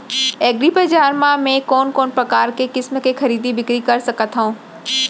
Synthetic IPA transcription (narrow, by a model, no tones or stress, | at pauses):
eːɡɾipɐd͡ʑaːɾmãmẽkoːnkoːnpɾɐkaːɾkekɪsmkexʰɐɾiːd̪ibɪkɾikɐɾsɐkət̪ʰɦaũː